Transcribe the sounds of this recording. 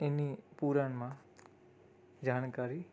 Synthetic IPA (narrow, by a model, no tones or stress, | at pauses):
ɪnipuːɾanmã | d͡ʑaːnkaːɾi